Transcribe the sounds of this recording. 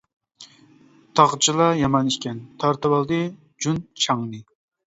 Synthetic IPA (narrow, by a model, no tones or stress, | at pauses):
t̪ʰɑʁt͡ʃʰilˠɑjɑmɑniʃkʲɛnt̪ʰɑɾt̪ɨwɑlˠd̪ɨ | d͡ʒunt͡ʃʰɑŋnɨ